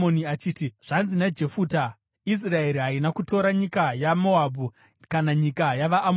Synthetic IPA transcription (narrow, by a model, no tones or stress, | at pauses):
oniat͡ʃiːtiʐ̥anzinad͡ʒe̞fuːta | is̬raeɾiɦainakuto̞ɾaɲikajamo̞abʱu | kanaɲikajaʋaʔːm